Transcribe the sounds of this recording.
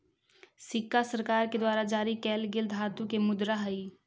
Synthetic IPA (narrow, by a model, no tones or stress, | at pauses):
sɪkːasəɾkaːɾked̪waːɾad͡ʒaːɾikɛːlɡɪld̪ʱɦaːt̪ũkemʊd̪ɾaɦɐi